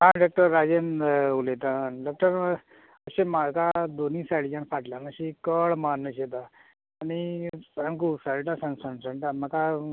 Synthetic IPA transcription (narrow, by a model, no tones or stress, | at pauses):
ɦãɖɔk̚ʈəɾːad͡ʑenulet̪anɖɔk̚ʈəɾ | əɕẽmakad̪onĩsaɽid͡ʑãnfaʈljanəɕikəɭmanːəɕet̪aː | nisankusaɽʈasə̃nsəɳsə̃ɳʈ̪ãməka